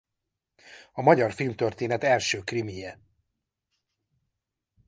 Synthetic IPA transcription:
ɒmɒɟɒrfilmt̪ørt̪eːnɛt̪ɛlʃøːkrimijɛ

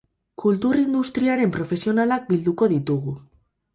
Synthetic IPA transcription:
kult̪urind̪ust̪ɾiaɾe̞mpɾo̞fe̞sio̞nalak̚bild̪uko̞ð̞it̪uɣu

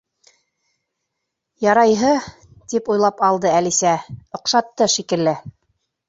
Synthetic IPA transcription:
jɑɾɑjɦɤ | t̪ipujlˠɑpɑlˠd̪ɤælisæŏqʃɑt̪ːɤʃikɘ̆lːɘ

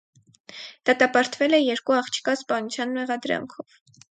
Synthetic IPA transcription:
d̪̥ɑt̪ɑpɑɾt̪vɛlɛjɛɾkuɑχt͡ʃʰi̥kɑspɑnut͡sʰjɑnmɛʁɑd̪ɾɑ̰ŋkʰɔv̥

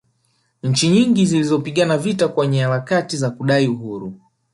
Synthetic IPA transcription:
ɲ̩t͡ʃiɲiŋɡizilizɔpiɠanavitakwɛɲɛhaɾakatizakuɗaiuɦuɾu

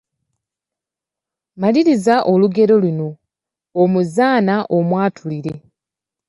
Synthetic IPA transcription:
maliɾizaʔo̞luɡe̞ɾo̞luno̞ː | muzaːnaʔo̞mwaːtʰuliɾe̞

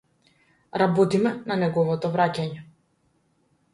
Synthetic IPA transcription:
ɾabɔt̪imɛnanɛɡɔvɔt̪ɔvɾacaɲɛ

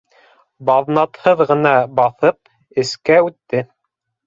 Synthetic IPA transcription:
bɑðnɑt̪hɤðʁɤ̆nɑbɑθɤp̚ | ɘ̆skæʉt̪ːɘ

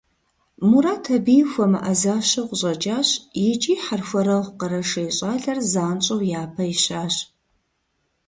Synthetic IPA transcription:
muɾaːtʰɐbijxʷɔmɨʔɐzaːɕɐqʷʊɕʼɐt͡ʃʼaːɕjɪt͡ʃʼiːħarxʷɐɾɐʁʷqɐɾɐʂɐjɕʼaːɮɐrzaːnt͡ʃʼɐwjaːpʰɐjɪɕaːɕ

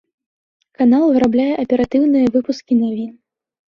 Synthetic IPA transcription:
kanalˠvɨɾablʲajɛʔɐpʲɛɾat̪ɨwnɨjɐvɨpuskʲinavʲin

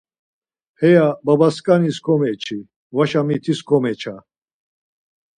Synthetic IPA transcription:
hɛjababaskʼaniskʰɔmɛt͡ʃʰi | vaʃamit̪ʰiskʰɔmɛt͡ʃʰa

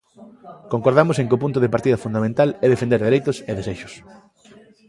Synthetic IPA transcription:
koŋkoɾðamoseŋkɪʊpunt̪̬ʊðɪpaɾt̪iðɐfund̪amẽnt̪alɛðefend̪eɾðeɾejt̪ʊseðeseʃʊ̥s

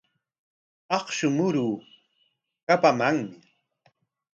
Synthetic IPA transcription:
ɑqʃʊmʊɾuː | kapamaŋmɪ

